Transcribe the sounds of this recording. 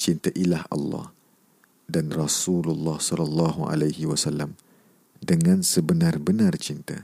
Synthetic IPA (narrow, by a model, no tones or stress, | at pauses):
t͡ʃint̪aʔilahɑ̰lːɑ̰h | danrɔsululːɑhsɔlalːɑɦuʔa̰lajhiwasalːam | dəŋãnsəbənarbənart͡ʃint̪a̰